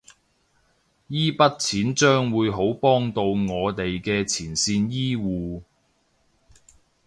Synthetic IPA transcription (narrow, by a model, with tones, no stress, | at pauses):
jiː˥pɐ˥t̚t͡sʰiː˨˥nt͡ʃœː˥ŋwuː˨˧jɦo˨˥wpɔː˥ŋt̪o˧wŋɔː˨˧t̪e˨jkɛː˧t͡sʰiː˨˩nsiː˧njiː˥wuː˨